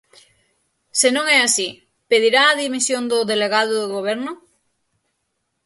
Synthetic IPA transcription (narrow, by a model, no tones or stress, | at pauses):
senõŋɛasi | peð̞iɾaːðimisjõnd̪oðeleɣað̞oðoɣoβ̞eɾno